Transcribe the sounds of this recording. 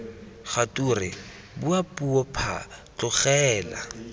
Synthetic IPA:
χatʼurɪ | buapʼuɔpʰa̰t͡ɬʼʊχɛːla̰

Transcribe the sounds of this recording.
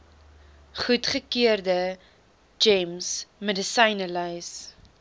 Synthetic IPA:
χutχəkiərdə | d͡ʒɛmsmɛdəsɐjnəlɐjs

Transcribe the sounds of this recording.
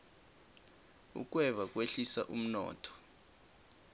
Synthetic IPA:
ṵk̬wɛvak̬ʼweɬisa̰ʔum̩nɔ̰ːtʰɔ̥

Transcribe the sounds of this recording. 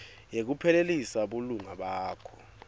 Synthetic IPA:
jek̬upʰɛlelisaɓoluŋaɓaːkʰɔ̥

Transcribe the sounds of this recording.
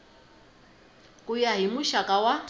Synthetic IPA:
kʼujaɦimuʃakʼawa

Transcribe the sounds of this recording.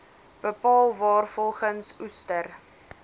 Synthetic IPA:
b̥əpɑːlˠvɑːrfɔlˠχənsustər

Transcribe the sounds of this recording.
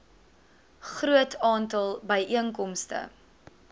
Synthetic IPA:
χruətʰɑːntəlˠbəjʔiəŋkɔmstə̰

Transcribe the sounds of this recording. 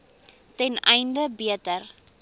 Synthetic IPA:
tɛnɛjndəbiətər

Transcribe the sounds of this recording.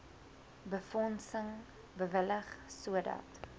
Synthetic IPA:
bəfɔnsəŋ | bəvələχsuədɐ̰t

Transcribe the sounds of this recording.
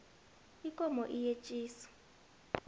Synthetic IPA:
ikʼɔmɔʔijet͡ʃʼiːsɔ̥

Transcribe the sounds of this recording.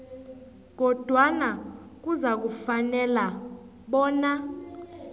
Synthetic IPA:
ɡ̥ʱɔd̥ʱwana | k̬uzak̬ufanɛla | ɓɔːna

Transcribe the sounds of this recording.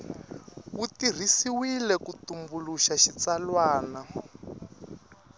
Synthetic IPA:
utir̤isiwilɛkutumbuluʃaʃit͡salwaːna

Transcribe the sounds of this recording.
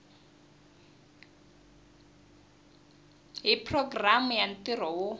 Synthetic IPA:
ɦipʰrɔɡramujan̩tirɔwo

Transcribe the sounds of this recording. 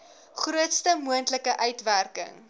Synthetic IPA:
χruətstəmuəntləkəʔœɥtværkə̰ŋ

